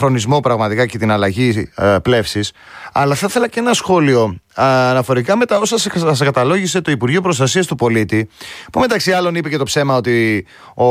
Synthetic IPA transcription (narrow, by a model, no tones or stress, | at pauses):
ɾo̞nizmo̞pɾɐɣmɐt̪ikɐce̞t̪inɐlɐʝiple̞fsis | ɐlɐθɐθe̞lɐce̞nɐsxo̞lio̞ɐnɐfo̞ɾikɐme̞t̪ɐo̞sɐsskɐt̪ɐlo̞ʝise̞t̪o̞ipuɾʝio̞pɾo̞st̪ɐsiɐst̪upo̞lit̪ipume̞t̪ɐksiɐlo̞nipe̞ce̞t̪opse̞mɐo̞t̪i | o